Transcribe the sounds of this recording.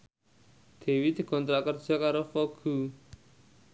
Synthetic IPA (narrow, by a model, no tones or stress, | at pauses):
d̪̥e̤wid̪̥i̤kɔnt̪ɾakər̥d͡ʒ̥ɔ̤kaɾofoɡ̥u